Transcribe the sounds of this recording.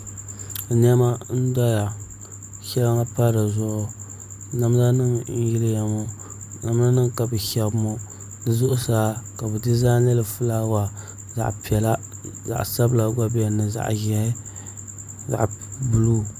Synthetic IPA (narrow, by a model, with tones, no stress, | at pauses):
n˦ɛ˦ma˦n̩˦dɔ˦ja˨ | ʃɛ˦lɨ˦ŋa˦pa˦ɾɨ˨zʊ˦ʔʊ˦ | na˦m˦za˦nɨ˦ŋn̩˦ji˦lɨ˦ja˨mo˦ | na˦m˦a˦nɨ˦ŋka˨bɨ˨ʃɛ˨bmo˦ | nɨ˦zʊ˦ʔʊ˦saː˨˦ka˨bɛ˨dɨ˦zaː˦nɛ˦lɨ˨fu˦la˦wa˨ | za̰˨ʔpi˨ɛ˨la˦ | za̰˨ʔsa˦bla˨ɡa˦bi˦ɛ˨nɨ˨za̰˨ʔɣɛ˨˦ | za̰˨ʔbu˨lu˦